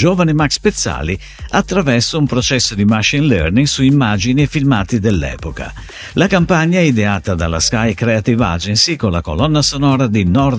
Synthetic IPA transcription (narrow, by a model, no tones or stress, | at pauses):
d͡ʒoːvanimakspet̪sːa̰ːli | at̪ːɾavɛrsoumpɾot͡ʃɛsːod̪imaʃinlɛrniŋɡsuimːaːd͡ʒinifilmaːt̪id̪elːɛ̰ːpoka̰ | lakampaɲːaɛid̪eaːt̪ad̪a̰lːa̰skajkɾeat̪iva̰d͡ʒensikolːa̰ko̰lɔnːasonɔːɾad̪inɔr